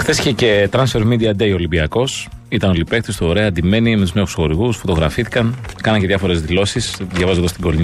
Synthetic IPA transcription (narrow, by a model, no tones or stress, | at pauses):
xθe̞siçece̞t̪ɾɐnsfe̞ɾmid̪iɐd̪eio̞limbiɐko̞s | it̪ɐnolipe̞k̚t̪ist̪oːɾeɐːnd̪ime̞nimet̪uznexu̥sxo̞ɾiɣusfo̞t̪o̞ɣɾɐfiθi̥kɐnkɐnɐɲce̞ðjʝɐfo̞ɾe̞zðilo̞sisðʝɐvɐzoðost̪iɡo̞li